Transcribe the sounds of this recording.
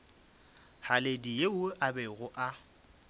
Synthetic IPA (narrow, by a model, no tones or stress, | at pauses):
haledijeʊʔabɛɣʊʔa